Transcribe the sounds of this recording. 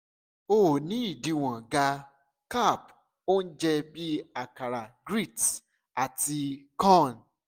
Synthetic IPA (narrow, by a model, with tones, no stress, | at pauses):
o˧o˨nĩ˨˦i˦˨di˨˧w̃ã˨ɡa˧ | ka˦˨p̚ | o˦n̩˦d͡ʒɛ˧bi˦a˨ka˨ɾa˨ɡɾi˦˨t | a˨ti˧kɔ̃˦˨n˨